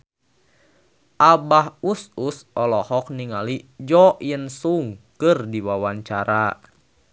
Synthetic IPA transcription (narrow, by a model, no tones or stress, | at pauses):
ʔabahususɔlɔhɔk̚niŋalid͡ʒɔʔjənsuŋkɨrdiwawaɲt͡ʃaɾa